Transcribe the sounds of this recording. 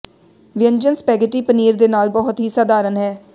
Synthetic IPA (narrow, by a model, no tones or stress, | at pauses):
ʋɪə̃ɲd͡ʒənspɛːɡəʈiːpəniːɾd̪eːnaːlbɔːɦʊt̪ɦiːsaːd̪aːɾənɦɛː